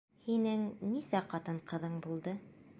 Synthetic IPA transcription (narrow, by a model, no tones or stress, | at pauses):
hinɘŋnisæqɑt̪ɤɴqɤ̆ðɤɴbulˠd̪ɤ